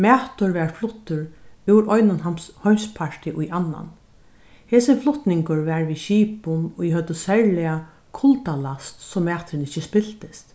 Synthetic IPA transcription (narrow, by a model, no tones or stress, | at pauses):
mæːt̪ʊɹʋɛɹflʊht̪ːʊɾʉwɾɔjnʊnhɔmspʰaɹt̪ɪʔʊjʔanːa̰n | heːsɪnflʊt̪nɪŋkʊɹʋɛɹʋiʃiːpʊmʊjɪhœt̪ːʊsɛɹlɪa | kʰʊlt̪alast̪sɔmːɛːt̪ɾɪnɪht͡ʃɪspɪl̥t̪ɪst̪